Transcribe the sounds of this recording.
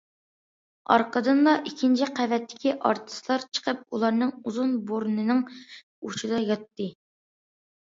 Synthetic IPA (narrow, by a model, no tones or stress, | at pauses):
ɑ̰ɾqəd̪ɨnlˠɑʔikʲʰːint͡ʃʰiqʰævɛt̪ʰːɪ̥kʲiʔɑ̰ɾt̪ʰɨ̥slˠɑɾt͡ʃʰə̥qʰəp̚ulˠɑɾnɨŋuzunboɾnɨnɨŋ | ut͡ʃʰid̪ɑjɑt̪ːɨ